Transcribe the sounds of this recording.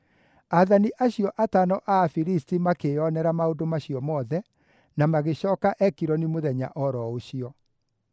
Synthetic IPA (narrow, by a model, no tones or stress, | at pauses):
aðaniʔaɕiɔʔatanɔʔafiɾistimakeɔnɛɾamaodomaɕiɔmɔːðɛ | namaɣeɕɔːkaʔɛkiɾɔnimoðɛɲa̰ʔɔɾɔoɕiɔ